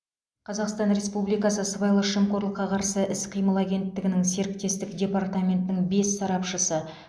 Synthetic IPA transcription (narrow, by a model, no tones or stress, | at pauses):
qʰɑzɑqst̪ɑnɾe̞spublijkɑs̬əsəbɑjlˠəʃəmko̞ɾlˠəqːɑqʰɑɾsəʔɪsqʰəjməlˠæɡʲe̞nt̪ːɪɡʲɪnɪŋse̞ɾɪk̚t̪e̞st̪ɪkdʲe̞pɑrt̪amʲe̞nt̪nɪŋbe̞sːɑɾɑpʃəsə